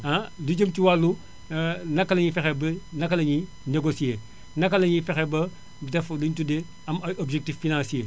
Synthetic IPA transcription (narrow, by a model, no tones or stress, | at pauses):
adud͡ʒəmtiwalːu | nɐkːɐlɐɲifɛxɛbnɐkːɐlɐɲi | neɡosieː | nɐkːɐlɐɲifɛxɛbɐ | dɛflintude | ɐmɐobd͡ʒek̚tifːinãnsie